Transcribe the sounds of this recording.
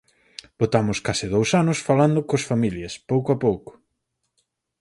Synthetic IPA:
b̥ot̪amʊskasɪðowsanʊsfaland̪ʊkosfamiljɐspowkoapowkʊ̥

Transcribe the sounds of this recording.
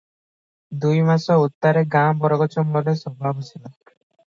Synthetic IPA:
d̪ujmasɔut̪ːaɾeɡabɔɾɔɡɔt͡ʃɔmbɔlesɔbʱabɔt͡ʃʰilɔ

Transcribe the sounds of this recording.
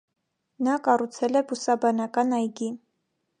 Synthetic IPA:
nɑkɑrut͡sʰɛlɛbusɑbɑnɑkɑnɑjɡi

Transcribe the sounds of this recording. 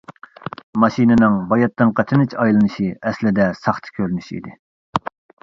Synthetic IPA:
mɑʃinɪnɪŋbɑjɑt̪ːɨnqʰɑt͡ʃ̪ʰɨnɨt͡ʃʰɑjlˠɨnɨʃiɛslɪd̪ɛsɑχt̪ʰɨ̥kʲʰøɾynyʃḭd̪ɪ

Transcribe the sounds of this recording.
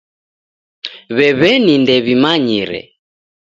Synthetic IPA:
βɛβɛnindɛβimaɲiɾɛ̰

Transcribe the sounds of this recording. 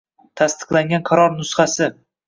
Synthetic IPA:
t̪ʰast̪ɨ̥qlˠaŋɡʲanqʰaɾɒɾnʊsχasɪ

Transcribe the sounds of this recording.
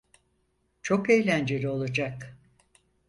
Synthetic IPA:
t͡ʃʰo̞kejlʲænd͡ʒeɾio̞lˠad͡ʒak

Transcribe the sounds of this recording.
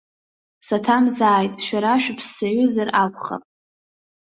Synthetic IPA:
satʰamzaːjtʼʃᶣaɾaʃᶣpʰsːaɥʊzarakʷχa̰pʼ

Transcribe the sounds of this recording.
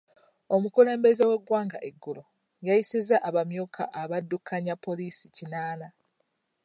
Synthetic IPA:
o̞mukule̞ːmbe̞zewe̞ɡwaːŋɡaʔeɡːulo | jajisezaʔːβamjoːkʰa̰ʔaβadːukʰaɲapːo̞liːsicinaːna

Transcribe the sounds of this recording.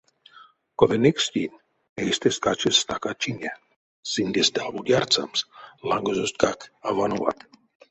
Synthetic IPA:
kovenekst̪ʲinʲ | ejst̪eskat͡ʃest̪akat͡ʃinʲa | sind̪ʲest̪abud̪ʲjart͡sa̰mslaŋɡozost̪̚kakavanuva̰t̪

